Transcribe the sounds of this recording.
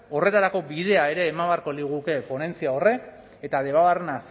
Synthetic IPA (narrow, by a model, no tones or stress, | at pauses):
o̞re̞t̪aɾako̞bið̞e̞ae̞ɾe̞ːmaβaɾko̞liɣuke̞po̞ne̞nt͡siao̞re̞k | et̪aðe̞βaβarenas